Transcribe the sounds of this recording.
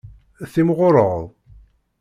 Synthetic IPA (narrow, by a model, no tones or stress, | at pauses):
θimʁoɾˤəʁðˤ